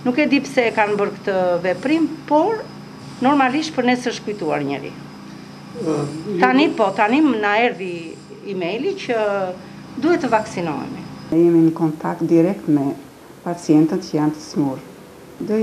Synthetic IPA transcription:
nukɛd̪ipsɛkanbəɾkə̥t̪əvɛpɾimpɔɾ | nɔɾmaliʃt̪̚pəɾnɛsɛəʃkujt̪ua̰ɾɲə̰ɾḭ | t̪anipɔt̪animnaɛɾðiː | mɛjlicə | d̪uhɛt̪əvaksinɔ̰jɛ̰miɛjɛminəkɔnt̪ak̚t̪̚d̪iɾɛk̚t̪mɛ | pat͡sijɛnt̪ət̪cəjant̪ə̥smuɾ | d̪ə

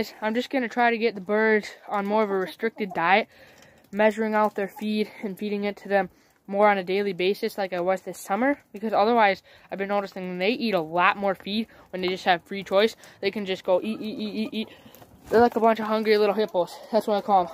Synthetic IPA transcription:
zãɪ̃md͡ʒʌsɡ̥ʌnɨtʰɹ̥aɪɾɨɡɛt̪̚ðəbɜ˞d̃n̩mɔɹʌvəɹɨstɹ̥ɪk̚tɨdaɪɨt̚ | mɛʒə˞ɪ̃ŋaʊt̪̚ðə˞fiɾɨ̃nfiɾɪ̃ŋɪtʰɨðɨ̃mː | ɔɹɨ̃nɨdeɪlˠibeɪsɨslaɪkɨɪt̚wʌzðɪsʌmə˞b̥ɨkʰʌzʌðə˞waɪz | aɪvbɨ̃nːoʊɾɨstɪ̃ŋ̃nðeɪʔiɾəlɔt̚mɔɹfid̚ | wə̃nðeɪd͡ʒʌst̚hɨv̥fɹit͡ʃʰɔɪsðeɪkɨ̃n̩d͡ʒʌsɡ̥oʊʔiʔiʔiiit̚ | ðə˞laɪkəbʌ̃nt͡ʃʌv̥ɦʌ̃ŋɡɹilɪɾl̩ˠhɪpl̩ˠz̥ðætswʌɾaɪkʰɔlˠə̃m

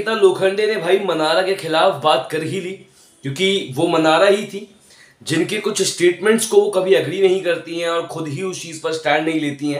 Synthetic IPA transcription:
t̪aloːkʰə̃ɳɖenebʱaːimɐnaːɾakexɪlaːfbaːt̪kɐɾɦiliː | kjõːkiʋomɐnaːɾaɦit̪ʰiː | d͡ʒɪnkekʊt͡ʃʰsʈeːʈmɛ̃ɳʈskokɐbʱiɐɡɾinɐɦĩkɐɾt̪iɦɛ̃ɔːɾxʊd̪ɦiʊst͡ʃiːzpɐɾsʈɛ̃ːɳɖnɐɦĩleːt̪iɦɛ̃ː

